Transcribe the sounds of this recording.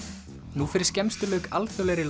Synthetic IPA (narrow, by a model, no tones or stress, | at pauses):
nufɪːɾɪ̥ɾ̥scɛmst̪ʏlœːka̰lt̪ʰœlɛɾɪl